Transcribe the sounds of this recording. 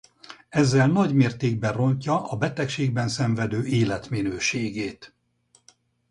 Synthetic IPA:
ɛzːɛlnɒɟmeːrt̪eːɡ̚bɛro̞ncɒʔɒbɛt̪ɛkʃeːɡ̚bɛnsɛɱvɛd̪øːeːlɛt̪minøːʃeːɡeːt̪

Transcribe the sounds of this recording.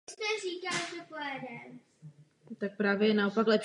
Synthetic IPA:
st̪ɛriːkaːt̪oklɛdɛm | t̪ak̚pɾaːvjɛjɛnaopaklɛp

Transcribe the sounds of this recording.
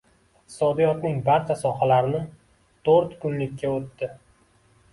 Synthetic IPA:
ɪqt̪ʰɪ̥sɒd̪ijɒt̪nɪŋbaɾt͡ʃʰasɒhalaɾɪnɪ | t̪ʰoɾt̪kʰʊnlɪkʲʰːaot̪ːɪ

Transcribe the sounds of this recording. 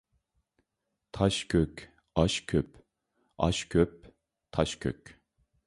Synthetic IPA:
t̪ʰɑʃkʲʰøkʲ | ɑʃkʲʰøp̚ | ɑ̰ʃkʲʰøp̚ | t̪ʰɑʃkʲʰø̰kʲ

